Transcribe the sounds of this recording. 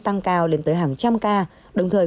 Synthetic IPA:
t̪a˧ŋkaː˧wle˨˦nt̪əː˨˦jɦaː˨˩ŋt͡ɕa˧mkaː˧ | ɗə˨˩wŋ͡mt̪ʰəː˨˩j

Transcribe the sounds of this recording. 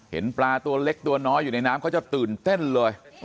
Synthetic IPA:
hḭ˧˩ənplaː˧t̪u˧əleː˦˥k̚t̪u˧ənɔ˨˦jṵ˧˨na˧jnaː˨˦mkʰɔ˨˦t͡ɕɔ˧˩t̪ɨː˨˩nt̪e˧˩nləː˨˩j

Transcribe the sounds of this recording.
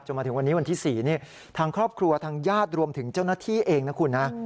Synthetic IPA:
t͡ɕo˨˩mːʰ˧ɯ˩˦wa˧nːiː˦˥wa˧nt̪ʰiː˥˩siː˨˩niː˥˩ | t̪ʰaː˧ŋkʰɾɔː˥˩p̚kʰɾu˧ɐt̪ʰaː˧ŋjaː˥˩t̪̚ɾu˧əmt̪ʰɯ˩˦ŋt͡ɕa˥˩wnaː˥˩t̪ʰiː˥˩ʔeː˧ŋna˦˥kʰu˧nːa˦˥

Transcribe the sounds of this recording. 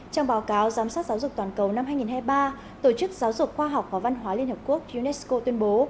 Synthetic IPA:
t͡ɕɔ˧wŋ͡mɓaː˨˦wkaː˨˦wzaː˨˦msaː˦˥t̚zaː˨˦wzʊ˨˩k̚t̪wa˨˩nkə˨˩wna˧mhɦaː˧jŋi˨˩nɦhaː˧jɓaː˧ | t̪o˧˩t͡ɕɨ˦˥k̚zaː˨˦wzʊ˨˩k̚xwaː˧ɦa˨˩wk͡p̚vaː˨˩va˧nɦwaː˨˦li˧ənhə˨˩p̚ku˦˥ək̚zu˧nɛ˦˥sko˧t̪wi˧ənɓo˨˦

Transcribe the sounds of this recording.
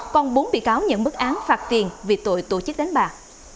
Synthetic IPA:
kɔ˧nɓu˨˦nɓḭ˧˨kaː˨˦wɲə̰˧˨nmɨ˦˥k̚ʔaː˨˦nfaː˦˥t̚t̪i˨˩ənvi˨˩t̪o̰˧˨jt̪o̰˧˩t͡ɕɨ˦˥k̚ɗa˨˦jŋ̟ɓaː˨˩

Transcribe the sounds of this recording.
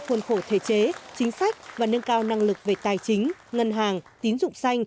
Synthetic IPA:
xwə˧˩nxo˧˩t̪ʰḛ˧˩t͡ɕe˨˦t͡ɕï˨˦ŋ̟sa˦˥jk̚vaː˨˩nə˧nkaː˧wna˧ŋlɨ˨˩k̚ve˨˩t̪aː˨˩jt͡ɕï˨˦ŋ̟ŋə˧nɦaː˨˩ŋt̪i˨˦ənzʊ̰˧˨ŋ͡msa˧jŋ̟

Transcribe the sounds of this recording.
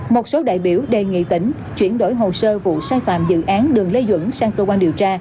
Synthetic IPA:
mo˨˩t̚so˨˦ɗa̰ː˧˨jɓi˧˩əwɗe˨˩ŋḭ˧˨t̪ï˧˩ŋ̟ | t͡ɕwi˧˩ənɗo˧˩jɦo˨˩səː˧vṵ˧˨saː˧jfa̰ː˧˨mzɨ̰˧˨ʔaː˨˦nɗɨ˨˩əŋle˧zwə̰˧˥nsaː˧ŋkəː˧kwaː˧nɗi˨˩əwt͡ɕaː˧

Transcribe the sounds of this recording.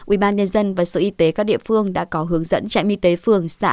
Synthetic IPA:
ʔi˧˩ɓaː˧nɲə˧nzə˧nvaː˨˩so˨˦ʔi˧t̪e˨˦kaː˦˥k̚ɗḭ˧˨əfɨ˧əŋɗa̰ː˧˥kɔ˨˦ɦɨ˨˦əŋzə̰˧˥nt͡ɕa̰˧˨ŋʔi˧t̪e˨˦fɨ˨˧˩əŋsa̰ː˧˥

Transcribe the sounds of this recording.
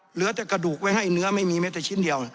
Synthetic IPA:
lɯ˨˦ɐt̪ɛː˨˩ka˧duː˨˩k̚wa˦˥˩jha˥˩jnɯ˦˥ɐma˥˩jmiː˧mɛː˦˥t̪aː˨˩t͡ɕʰi˥˩ndi˧əw

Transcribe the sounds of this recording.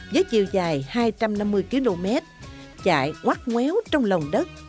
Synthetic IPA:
zəː˨˦jt͡ɕḭ˧˨əwzaː˨˩jhaː˧jt͡ɕa˧mna˧mːɨ˧əjki˨˧˦lo˧mɛ˦˥t̚ | t͡ɕa̰ː˧˨jŋwaː˦˥t̚ŋwɛ˨˦wt͡ɕɔ˧wŋ͡mlə˨˩wŋ͡mɗə˦˥t̚

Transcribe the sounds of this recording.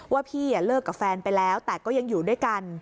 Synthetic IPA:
waː˥˩pʰiː˥˩ja˨˩lɤː˥˩kːa˨˩p̚fɛː˧npa˧jlɛː˦˥wt̪ɛː˨˩kɔː˥˩ja˧ŋjuː˨˩du˥˩jka˧n

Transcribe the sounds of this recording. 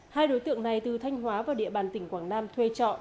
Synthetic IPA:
haː˧jɗo˨˦jt̪ɨ̰˧˨əŋna˨˩jt̪ɨ˨˩t̪ʰa˧jŋ̟ɦwaː˨˦vaː˨˩ɗḭ˧əɓaː˨˩nt̪ï˧˩ŋ̟kwaː˧˩ŋnaː˧mt̪ʰwe˧t͡ɕɔ̰˧˨

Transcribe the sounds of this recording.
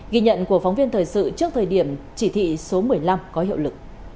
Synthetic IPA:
ɣi˧ɲə̰˧˨nku˧˩əfa˨˦wŋ͡mvi˧ənt̪ʰəː˨˩jsɨ̰˧˨t͡ɕɨ˦˥ək̚t̪ʰəː˨˩jɗi˧˩əmt͡ɕi˧˩t̪ʰḭ˧˨so˨˦mɨ˨˩əjla˧mkɔ˨˦hḭ˧˨əwlɨ˨˩k̚

